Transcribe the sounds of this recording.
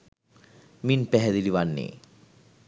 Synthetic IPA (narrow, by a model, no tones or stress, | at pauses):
minpɛɦɛd̪iliʋanːḛː